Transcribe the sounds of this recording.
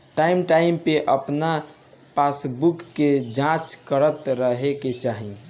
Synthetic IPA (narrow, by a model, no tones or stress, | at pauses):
ʈaimʈaimpeʔəpna | pasbukːed͡ʒãt͡ʃkəɾət̪ɾəɦeket͡ʃaɦi